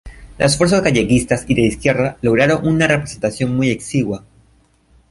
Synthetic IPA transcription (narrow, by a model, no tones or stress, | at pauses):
lʔasfwe̞ɾsazɣaʝe̞kist̪asiðeiskje̞ɾðalo̞ɣ̞ɾaɾo̞ŋunarepɾese̞nt̪asjo̞nmujeksiɣwa